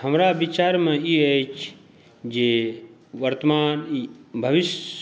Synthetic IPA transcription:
həmɾabit͡ʃaːɾmẽiet͡ʃʰ | d͡ʒe | ʋəɾt̪əmaːnibʱəʋiʃ

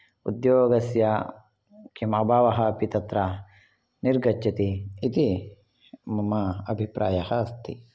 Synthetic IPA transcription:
ṵd̪joːɐɡɐsja | kimɐbaːʋɐɦɐːpit̪ɐt̪ɾa | niɾɡɐt͡ʃːɐt̪iit̪i | mɐmɐɐbʱipɾʔaːjɐhɐːst̪ḭ

